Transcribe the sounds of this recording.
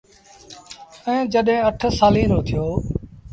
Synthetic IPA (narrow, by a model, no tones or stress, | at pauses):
ə̃ːd͡ʒəɗɦẽːəʈʰsaːlĩːɾoːt̪ʰɪjoː